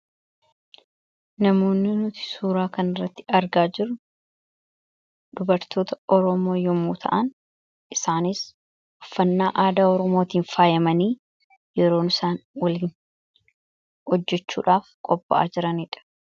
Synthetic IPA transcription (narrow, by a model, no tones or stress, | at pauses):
nɐmo̞ːnːɪnʊt̪ɪ̥suːɾaːkɐnɪrːɐt̪ːɪɐɾɡaːd͡ʒɪɾʊ | d̪̥ʊbɐɾt̪o̞ːt̪ɐɔɾɔmo̞ːjɔmuːt̪ʰɐ̰ʔɐn | ʔɪsaːnɪs | hʊfːɐnːaːʔaːd̪aːɔɾɔmo̞ːt̪iːnfaːjɐmɐniː | jɛɾo̞ːnʊsaːnwɐliːn | hɔd͡ʒːɛt͡ʃːṵːᶑaːfkʼɔbːɐ̰ʔa̰ːd͡ʒɪɾɐniːᶑɐ̥